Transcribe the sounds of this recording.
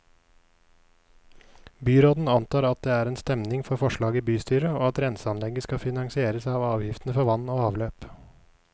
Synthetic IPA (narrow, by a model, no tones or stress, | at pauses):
byːɾoːd̪n̩ɑnt̪ʰɑːɾɑt̪̚d̪eːæːɾeːnst̪ɛmnɪŋfɔɾfɔʃɭɑːɡiːbyːst̪yːɾəoːɑt̪ɾɛnsɑnlɛɡəskɑfɪnɑŋsɪeːɾəsɑːʋɑːʋjɪft̪n̩əfɔʋɑnoːɑːʋløːp